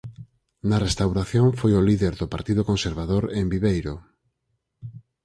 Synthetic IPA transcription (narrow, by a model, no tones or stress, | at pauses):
nɐrest̪awɾaθjoŋfojoliðeɾðopaɾt̪iðʊkonseɾβaðoɾembiβejɾo